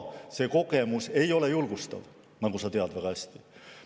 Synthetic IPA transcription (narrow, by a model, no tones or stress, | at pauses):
se̞ko̞ke̞muse̞jo̞le̞julɡ̥ust̪ɑ̰v | nɑɡusɑt̪eɑd̪væɡ̥ɑæsʲt̪i